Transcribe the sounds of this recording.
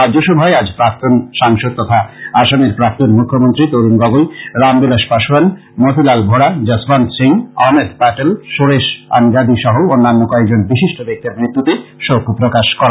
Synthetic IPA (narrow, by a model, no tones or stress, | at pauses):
aoʃobʱaead͡ʑpɾak̚t̪onʃaŋʃod̪̚t̪ːɔt̪ʰaaʃameɾpɾak̚t̪onmukʰːomont̪ɾit̪oɾumɡɔɡojɾambilaʃpaʃoan | mot̪ilalbʱoɽad͡ʑasbansiŋɔɦmed̪paʈelʃoɾeʃa̰nɡad̪iʃɔɦoonːanːokɔek̚d͡ʑonbiʃiʃʈobek̚t̪iɾmɾit̪ːut̪eʃopupɾokaʃkɔɾa